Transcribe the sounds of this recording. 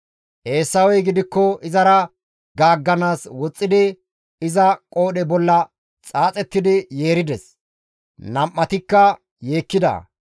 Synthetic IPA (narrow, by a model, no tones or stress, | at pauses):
ʔe̞ːsːɐwɛjɡɪd̪ɪkːɔɪzɐɾɐ | ɡaːɡːɐnaːswɔt͡sʼːɪd̪ɪ | ɪzɐkʼo̞ːɗɛbɔlːɐ | t͡sʼaːt͡sʼɛt̪ːɪd̪ɪje̞ːɾɪd̪ɛs | nɐmːɐt̪ɪkːɐ | je̞ːkːɪd̪ɐ̰